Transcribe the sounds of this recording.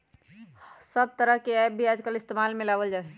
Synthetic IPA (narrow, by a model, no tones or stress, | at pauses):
səb̚t̪əɾəɦkeɛbʱiad͡ʒkəlɪst̪emalmɪlabəld͡ʒaːɛ